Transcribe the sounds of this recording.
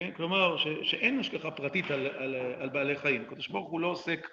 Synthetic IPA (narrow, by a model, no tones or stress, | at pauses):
klo̞maʁʃeʃeʔenaʃkaχapʁat̪it̪alalalbaːle̞jχajimakod̪oʃboʁχulo̞osek